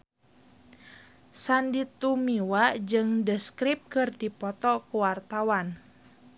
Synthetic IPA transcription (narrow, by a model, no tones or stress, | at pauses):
sandit̪umiwad͡ʒɨŋdəskɾip̚kɨrdipɔt̪ɔkuwart̪awan